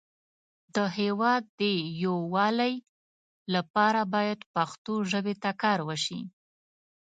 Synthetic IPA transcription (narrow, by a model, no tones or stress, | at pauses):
d̪əhewɑd̪ːəjowɑlaj | lapɑɾabɑjad̪paxt̪oʒəbet̪akɑɾwəʃḭ